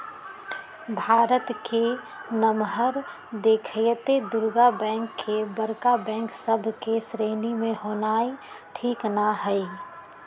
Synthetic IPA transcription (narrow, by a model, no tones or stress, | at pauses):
bʱaːɾət̪ke | nəmɦəɾ | d̪eːkʰjət̪ed̪ʊɾɡabɛ̃ːŋkːebəɾkabɛ̃ːŋksəbʱkesɾeːnimẽɦoːnaːi | ʈʰiːknaɦəi